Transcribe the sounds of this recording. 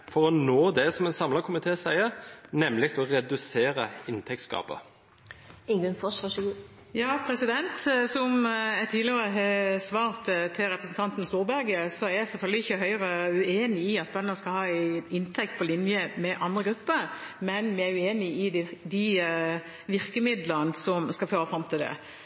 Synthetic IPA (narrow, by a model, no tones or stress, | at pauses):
fɔʁɔnoːd̪ɛsɔmɛnsɑmlɑkʰʊmɪt̪ʰeːsæɪəɾnɛmlɪk̚t̪ɔʁɛd̪ʉseːɾəɪnt̪ʰɛk̚t̪skɑ̰ːpə̰ | ɪŋɡʉnfɔʃɑʂɡuː | jɑːpʰɾɛsɪd̪ɛnt̪sɔmæɪt̪ʰiːd̪lɪəʁəɦɛsʋɑːʁt̪t̪ʰɪlʁɛpɾəsn̩t̪ɑnt̪n̩st̪uːɾbæɾɡəsɔæɾæɪsɛlfœld̪ɪɪçːəɦœʏʁəʉeːnɪɪɑt̪̚bœnəskɑlhɑːɪnt̪ʰɛk̚t̪̚pʰɔlɪnjəmɛʔɑnd̪ʁəɡɾʉpːəɾmɛnmɪæɾʉeːnɪɪd̪d̪ɪ | ʋɪɾkəmɪd̪lənsɔmskɑlføːɾəfɾɑmt̪ʰɪld̪ɛ̰